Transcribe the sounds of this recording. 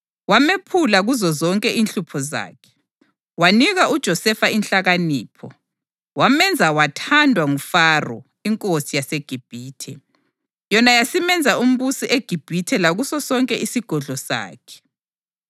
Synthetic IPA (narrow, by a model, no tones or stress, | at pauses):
wamepʰulaɣuzɔzɔŋkʼɛʔinɬupʰɔza̰ːkʰɛ̥ | waniɣaʔud̥ʒ̥ʱɔsɛfainɬaɣaniːpʰɔ | wamɛnd͡zʱawatʰandʱwaŋufarɔ̰ | iŋkʼosijaseɡ̥ʱib̥ʱiːtʰɛ | jɔnajasimɛnd͡zʱaum̩βusiʔeɡ̥ʱib̥ʱitʰɛlaɣusɔsɔŋkʼɛʔisiɡ̥ʱɔɮɔsa̰ːkʰɛ̥